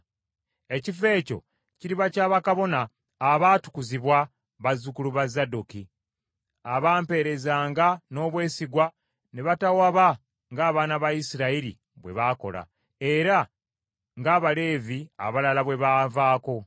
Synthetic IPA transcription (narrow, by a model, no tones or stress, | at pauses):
e̞cife̞ːco̞̰ | ciɾiβacaːβakaβo̞naː | βaːtu̥kuziβwa | βazːukuluβazaduki | aβaːmpe̞ːɾe̞zaːŋɡano̞ːβwe̞ːsiɡwa | neβatawaβa | ŋɡaːβaːnaβaisiɾaiɾḭ | βwe̞̰βaːko̞̰la̰ | e̞ɾa | ŋɡaːβale̞ːvia̰βalalaβwe̞βaːvaːko̞